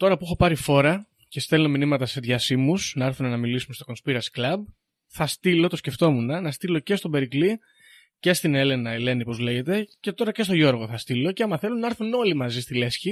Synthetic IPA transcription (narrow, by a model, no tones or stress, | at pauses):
t̪o̞ɾɐpuexo̞pɐɾifo̞ɾɐ | ce̞st̪elo̞minimɐt̪ɐse̞ðʝɐsimusnɐeɾθunenɐmilisumest̪o̞ko̞nspiɾɐsklɐb̚ | θɐst̪ilo̞t̪o̞sce̞ft̪o̞munɐnɐst̪ilo̞ce̞st̪o̞be̞ɾikli | ce̞st̪ine̞le̞nɐele̞nipo̞zle̞ʝe̞t̪e̞ce̞t̪o̞ɾɐce̞st̪o̞ʝo̞ɾɣo̞θɐst̪ilo̞ceɐmɐθe̞lunɐeɾθuno̞limɐzist̪ile̞sçi